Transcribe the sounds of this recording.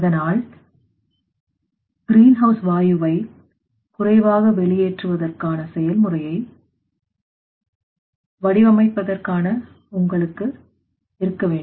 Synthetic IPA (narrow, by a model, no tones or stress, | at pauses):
ɐðɐnaːl | ɡ̥ɪɾiːnɦɐʊsʋaːjɯʋɐɪ | kʊrɐɪʋaːɣɐʋɛɭɪjeːʈrɯʋɐðɐrkaːnɐsɛjɐlmɯrɐjɐɪ | ʋɐɽɪʋɐmɐɪpːɐðɐrkaːnɐ | ʊŋɡɐɭɯkːɯ | ɪɾɯkːɐʋeːɳɖ